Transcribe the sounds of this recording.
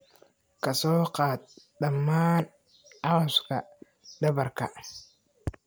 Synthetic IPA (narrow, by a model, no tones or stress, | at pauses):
kasoqaːt̪̚ | ɗamːan | awaska | dɐbɐɾka̰